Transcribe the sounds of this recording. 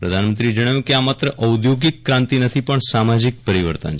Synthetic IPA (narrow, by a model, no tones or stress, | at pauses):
pɾəd̪ʱanmənt̪ɾid͡ʒəɽ̃ajũkeamat̪ɾəʔəwd̪joɡikːɾãnt̪inət̪ʰipəɳsamad͡ʒik̚pəɾiʋə̰ɾt̪ə̰nʰ